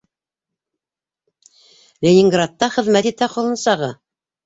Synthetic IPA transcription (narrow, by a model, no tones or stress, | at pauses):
lʲenʲiŋɡrat̪ːɑχɘ̆ðmæt̪it̪æqolˠɤ̆nsɑʁɤ